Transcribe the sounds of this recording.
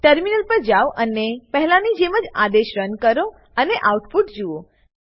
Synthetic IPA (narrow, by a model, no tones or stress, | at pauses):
ʈəɾminəlpəɾd͡ʒaʋʔənepəɦɛlãnid͡ʒeməd͡ʒad̪eʃɾənkəɾo | əneʔawʈpuʈd͡ʒuo